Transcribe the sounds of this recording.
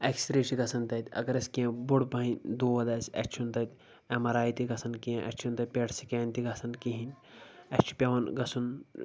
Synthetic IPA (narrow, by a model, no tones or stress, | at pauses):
ɐksʲɾeʃiɡɐsɐnt̪ɐt̪ʲɐ̰ɡɐɾɐskiẽbuɽpɐɦinʲd̪uːʋɐd̪ɐsɐ̰t͡ʃt͡ʃʰunt̪ɐt̪ʲ | ɐmɐɾaːit̪iɡɐsɐnkiẽʔɐ̰t͡ʃʰunt̪ɐt̪̚ʲpʲeɽsikeːnʲt̪iɡɐsɐnkĩɦin | ɐt͡ʃʰi̥pʲɐʋɐnɡɐsun